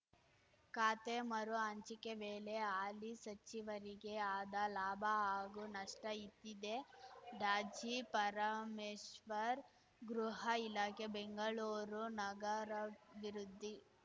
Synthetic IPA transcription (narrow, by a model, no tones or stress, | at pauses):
kaːt̪emɐɾuɐɲt͡ʃikeʋeːleaːlisɐt͡ʃːiʋɐɾiɡeaːd̪ɐlaːbʱɐaːɡunɐʂʈɐit̪ːid̪e̞ɖaːd͡ʒipɐɾɐmeːʃʋɐɾ | ɡɾuɦɐilaːkebeŋɡɐɭuːɾunɐɡɐɾɐʋiɾud̪ʱːi